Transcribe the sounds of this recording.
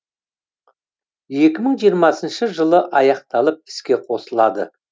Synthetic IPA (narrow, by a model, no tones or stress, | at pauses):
je̞kʲɪməɴʒijəɾmɑsənʃəʒəlˠəʔɑjɑqt̪ɑlˠəp̚ɪ̥skʲe̞qʰo̞səlˠɑd̪ə̰